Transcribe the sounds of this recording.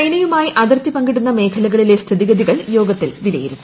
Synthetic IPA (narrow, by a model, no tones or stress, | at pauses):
ɐjɳɐjumaːjiʔɐðɐrt̪ːipɐŋɡiɽunːɐme̞ːkʰɐlɐɣɐɭile̞st̪ʰiðiɣɐðiɣɐɭjo̞ːɡɐt̪ːilʋilɐ̰jiɾunː